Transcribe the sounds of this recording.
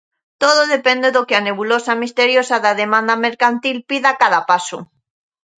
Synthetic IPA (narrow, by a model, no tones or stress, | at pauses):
t̪oðoðe̞pe̞nd̪e̞ðokeane̞βulosamist̪eɾjosaðaðemãnd̪ame̞ɾkant̪ilpiðakaðapasu